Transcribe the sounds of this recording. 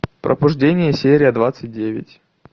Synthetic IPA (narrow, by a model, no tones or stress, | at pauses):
pɾʔə̰bʊʐdʲenʲɪjəsʲeɾʲɪjəd̪vat̪sɨt̚ʲdʲevʲɪ̰tʲ